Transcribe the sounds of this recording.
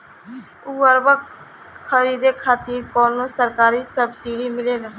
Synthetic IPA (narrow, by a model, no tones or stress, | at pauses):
uːəɾbək | kʰəɾiːd̪eːkʰaːt̪iːkɔːnːũːsəɾkaːɾiːsəbsiːɖiːmɪleːɡaː